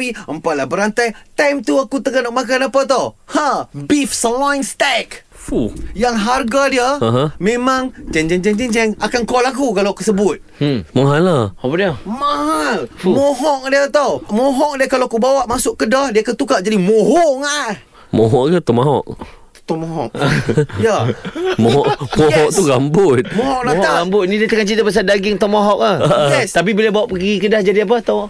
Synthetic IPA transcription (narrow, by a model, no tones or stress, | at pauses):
piəmpaʔlahbəɾant̪ajt̪amt̪uakut̪əɡanɔʔmak̬anapat̪ohabifsəlajnst̪ɛk | fujaŋɦarɡadiəaɦmemãŋt͡ʃand͡ʒɛŋd͡ʒant͡ʃɛnd͡ʒɛŋakankɔlak̬ukalawakusəbʊt̪̚maɦalahapadiəmahalmɔɦɔʔ̚diət̪omɔɦɔk̚diəkalakubawaʔmasʊʔkədahdiakat̪ukaʔd͡ʒadimɔɦoŋa | mɔɦɔʔ̚ɡət̪omaɦɔ̰ʔ | t̪ɔmɔɦɔ̰ʔjamɔɦɔʔmoɦɔʔ̚t̪uɡambʊt̪̚mɔɦɔklat̪aɡambʊt̪̚nidiət̪əkant͡ʃit̪apəs̬andaɡɪŋt̪amɔɦɔʔahjɛst̪ap̬ibolɛbawaʔpəɡikədahd͡ʒadiap̬at̪aw